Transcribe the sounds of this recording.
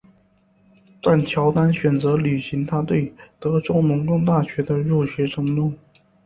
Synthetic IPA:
t̪a˥˩nt͡ɕ̪ʰjɑ˧˥ʊt̪a˥nɕɥɛ˨˩nt͡sɤ˧˥ly˨˩ɕi˧˥ŋt̪ʰa˥t̪we˥˩ɪt̪ɤ˧˥ʈ͡ʂo˥ʊnʊ˧˥ŋkɤ˥ŋt̪a˥˩ɕɥɛ˧˥d̪ə˧ɻu˥˩ɕɥɛ˧˥ʈ͡ʂʰɤ˧˥ŋnʊ˥˩ŋ

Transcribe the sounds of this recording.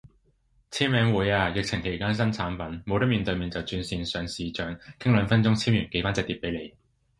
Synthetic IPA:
t͡sʰiː˥mmɛː˨˧ŋwuː˨˥jaː˧jɪ˨k̚t͡sʰɪ˨˩ŋkʰe˨˩jkaː˥ns̬ɐ˥nt͡sʰaː˨˥npɐ˨˥nmo˨˧wt̪ɐ˥miː˨nt̪ɵ˧ɥmiː˨nt͡sɐ˨wt͡syː˧nsiː˧nsœː˨˧ŋsiː˨t͡ʃœː˨˧ŋkʰɪ˥ŋlœː˨˧ŋfɐ˥nt͡sʊ˥ŋt͡sʰiː˥mjyː˨˩nke˨˥jfaː˥nt͡sɐ˨˧k̚t̪iː˧˩pe˨˥jle˨˧j

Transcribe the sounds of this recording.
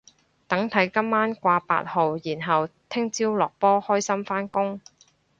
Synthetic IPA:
t̪ɐ˨˥ŋt̪ʰɐ˨˥jkɐ˥mːaː˥nkʷaː˧pa̰ː˧t̚ho˨wjiː˨˩nɦɐ˨wt̪ʰɪ˥ŋt͡siː˥wlɔː˨k̚pɔː˥hɔː˥jsɐ˥mfaː˥nkʊ˥ŋ

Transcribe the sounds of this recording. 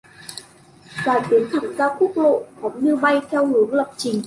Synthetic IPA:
zaː˧˩t̪i˨˦ənt̪ʰɨ˨˧˩zaː˧wku˦˥k̚lo̰˧˨xɔ˨˦ŋ͡mnɨ˧ɓa˧jt̪ʰɛ˧wlu˨˦ənla˨˩wk͡p̚t͡ɕï˨˩ŋ̟

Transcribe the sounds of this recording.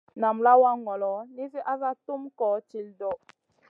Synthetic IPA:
na˨mla˦wa˦ŋɔ˨lɔ˨˦ni˦s̬i˦ʔa˦za˦tu˦mkɔː˨˦t͡ʃi˨ldɔ˨

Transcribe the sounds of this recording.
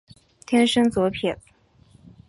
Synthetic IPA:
t̪ʰjɛ˥nʂɤ˥ŋt͡swɔ˧˥pʰji˨˩n

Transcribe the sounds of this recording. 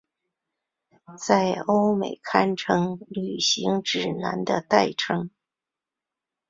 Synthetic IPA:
t͡sa˥˧ɪo˥ʊme˨˩ɪkʰa˥nʈ͡ʂʰɤ˥ŋly˨˩ɕi˧˥ŋʈ͡ʂɻ̩˨˩na˧˥nd̪ə˧t̪a˥˧ɪʈ͡ʂʰɤ˥ŋ

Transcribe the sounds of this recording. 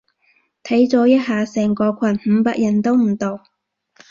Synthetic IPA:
t̪ʰɐ˨˥jt͡sɔː˨˥jɐ˥t̚ɦaː˨sɛː˨˩ŋkɔː˧kʷʰɐ˨˩nm̩˨˧paː˧k̚jɐ˨˩nt̪o˥wm̩˨˩t̪o˨w

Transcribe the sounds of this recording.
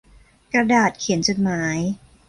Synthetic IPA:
kɾa˧daː˨˩t̪̚kʰi˩˦ənt͡ɕo˨˩t̪̚maː˩˦j

